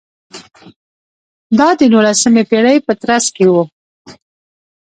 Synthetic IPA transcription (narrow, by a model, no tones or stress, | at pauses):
d̪ɑd̪ənolasəmepeɽəjpət̪ɾaskewu